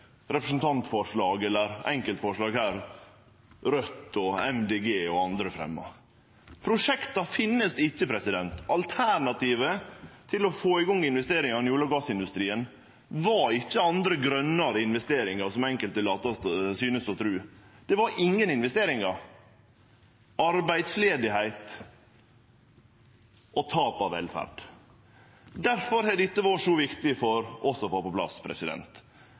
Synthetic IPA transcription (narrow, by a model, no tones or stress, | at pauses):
ɾɛpɾəsn̩t̪ʰɑnt̪fɔʂɭɑːɡɛlːəɾɛ̰ŋkəlt̪fɔʂɭɑːɡhæːɾ | ɾœt̪ːɔɛmd̪eːɡeːɔɑnd̪ɾəfɾɛ̰mːɑ̰ | pʰɾʊʂɛkt̪ɑfɪnːəsd̪ɪçːəpʰɾɛsɪd̪ɛnt̪ɑlt̪ʰæɳɑt̪ʰiːʋət̪ʰɪlɔfoːɪɡɔŋːɪnʋɛst̪eːɾɪŋɑnɪjuːlɑɡɑsɪnd̪ʉst̪ɾiːən | ʋɑɪçːəɑnd̪ɾəɡɾœnːɑɾəɪnʋɛst̪eːɾɪŋɑɾsɔmɛŋkəlt̪əlɑːt̪ɑsyːnəsɔt̪ʰɾʉːd̪̥ɛʋɑɾɪŋːənɪnʋɛst̪eːɾɪŋɑɾ | ɑɾbæɪd̪sleːd̪ɪhæɪt̪ | ʔɔt̪ʰɑːpɑʋɛ̰lfæ̰ɾɖ̪̥ | d̪æɾfɔɾhɛd̪ɪt̪ːəʋɑʂoːʋɪkt̪ɪfɔɾʔɔsɔfɑːpɔpʰlɑ̰spʰɾɛ̰sɪd̪ɛ̰nt̪